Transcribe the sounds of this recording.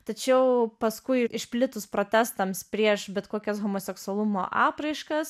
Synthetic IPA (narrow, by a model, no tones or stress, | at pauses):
t̪ɐt͡ʃʲɛʊpɐskʊɪɪʃʲpʲlʲɪt̪ʊspɾoːt̪ʲæst̪ɐmspʲɾʲiɛʃbʲɛt̪koːkʲɛsɣoːmoːsʲɛksʊɐlˠʊmo̰ːʔɑːpɾɐɪʃkɐs